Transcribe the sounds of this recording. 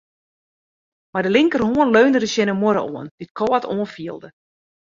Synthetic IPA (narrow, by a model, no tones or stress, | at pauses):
mardəlɪŋkərhoənløːndədəsjɪnəmoɾə̰ʔoənd̥it̚kʰɔːətʰoənfiəlˠdə